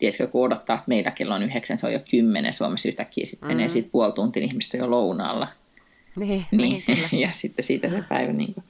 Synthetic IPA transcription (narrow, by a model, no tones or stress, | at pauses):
t̪iet̪køkuodot̪ːɑːt̪meilækelːonyheksænseo̰jokymːenḛnsuomesyht̪ækːḭːsit̪meneːsiːt̪̚puolt̪unt̪inihmist̪æjolounɑ̰ːlːɑ | niːjɑsit̪ːesiːt̪æsepæ̰iʋænḭːŋko